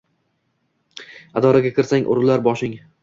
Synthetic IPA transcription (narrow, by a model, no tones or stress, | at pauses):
ad̪ɒɾaɡʲakʰʲɪɾsaŋʔʊ̰ɾlːaɾbɒʃɪŋ